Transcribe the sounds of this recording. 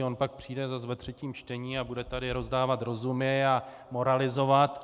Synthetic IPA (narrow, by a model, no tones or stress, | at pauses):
o̞npak̚pr̝̥iːdɛzas̬vɛt̪r̝̥ɛciːmt͡ʃt̪ɛɲiːabudɛt̪adɪɾo̞zdaːvat̪ɾo̞zumɲɛa | mo̞ɾalɪzo̞vat̪